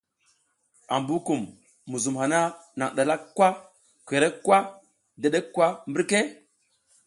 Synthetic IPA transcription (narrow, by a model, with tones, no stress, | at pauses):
a˨mbu˦ku˨mː | u˨zu˨mɦa˨na˦na̰˨ŋɗa˨la˦kkːwa˦ | kʷe˨ɾe˦kʷːwa˦ | da˨ɗe˦kkːwa˦mbi˦ɾke˦